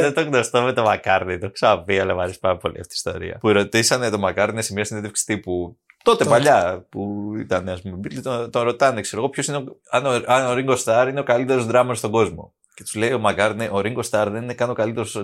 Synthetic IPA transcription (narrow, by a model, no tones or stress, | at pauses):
ðet̪oɣnost̪omet̪o̞mɐkɐɾnit̪oksɐviɐlɐmɐɾesi̥pɐɾɐpo̞lḭɐ̰ft̪i̥st̪o̰ɾḭɐ̰puɾo̞t̪isɐnet̪o̞mɐkɐɾnesemiɐsineðefksi̥t̪ipu | t̪o̞t̪e̞pɐʎɐpuḭt̪ɐneɐspumebilit̪ot̪oɾo̞t̪ɐnekse̞ɾo̞ɣo̞pço̞sineoɐnoɐnoɾiŋɡo̞st̪ɐɾine̞o̞kalit̪e̞ɾozðɾɐmɐst̪o̞ɡo̞zmo̞̰ | ce̞t̪u̥zle̞io̞mɐkɐɾneʔoɾiŋɡo̞st̪ɐɾðe̞nine̞kɐno̞kalit̪e̞ɾos